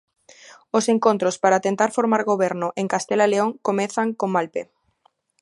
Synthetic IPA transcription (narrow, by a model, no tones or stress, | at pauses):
oseŋkõnt̪ɾospaɾat̪ent̪aɾfoɾmaɾɣoβɛɾnʊʔeŋkast̪elaleoŋkomẽθaŋkomːalpe